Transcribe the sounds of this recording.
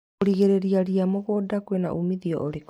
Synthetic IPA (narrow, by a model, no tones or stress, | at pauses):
ɾiɣeɾeɾiaɾiamoɣoːdakwena̰ʔumiðiɔ̰ʔoɾek